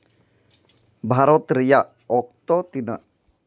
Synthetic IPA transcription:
bʱaɾot̪ɾija | ɔkt̪ɔt̪inə

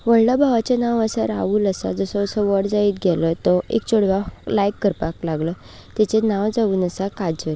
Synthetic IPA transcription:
ʋəɭ̤ləbʱaʋat͡ɕanaʋəsaɾa̰ʋuːləsa̰d͡zəsɔəsɔʋəɽd͡zaiːt̪ɡʱɛlət̪ɔʔḛkt͡ɕoɽʋalajkːəɾpaklaɡlə | t̪jat͡ɕenaʋd͡zaʋuːnəsakad͡zəl

